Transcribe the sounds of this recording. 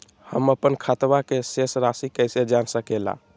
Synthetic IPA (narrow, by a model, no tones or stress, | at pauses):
həməpənkʰat̪bakesesɾasikəjsed͡ʒansəkela̰